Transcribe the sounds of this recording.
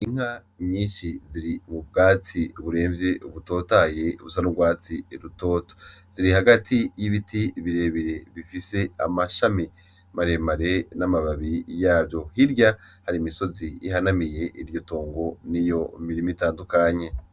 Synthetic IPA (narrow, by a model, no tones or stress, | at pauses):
iŋ̥ha | ɲiːnʃiziɾimub̚ɡaːt͡siβuɾe̞ːɱvje̞uβuto̞ːtaje̞ṵβusanubɡwaːt͡siɾuto̞ːto̥z̥iɾihaɡatʰijiβitʰiβiɾe̞βiɾe̞βifise̞a̰maʃami | maɾe̞maɾe̞namaβaβijaːbjo̞hiɾɟahaɾimiso̞ziihanamije̞ʔiɾjo̞to̞ːŋɡo̞nijo̞miɾimitaːndukaɲe̞